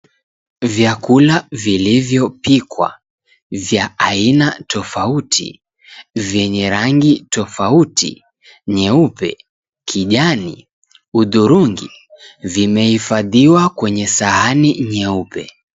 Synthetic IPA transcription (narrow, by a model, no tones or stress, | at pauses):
vjakulavilivjɔpikwa̰ | vjaainatʰɔfautʰḭ | vjɛɲɛɾaŋɡitɔfautʰḭ | ɲɛupɛ̰ | kʰiʄani | uðuɾuŋɡḭ | vimɛhifaðiwakwɛɲɛsaɦaniɲɛupɛ̰